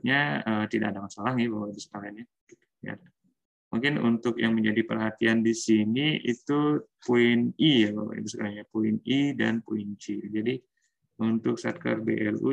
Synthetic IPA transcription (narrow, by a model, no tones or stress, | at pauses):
ɲaət̪idakdaŋansalahŋɪbawabisə̥alanja | ja̰ | muŋkɪnunt̪ʊkjaŋməɲd͡ʒadipərɦat̪iandisiniḭt̪upoɪnijaba̰wa̰ḭt̪usəkalaɲapoɪnidanpoɪnt͡ʃid͡ʒadi | unt̪ʊksa̰t̪̚ka̰rbḛʔɛlu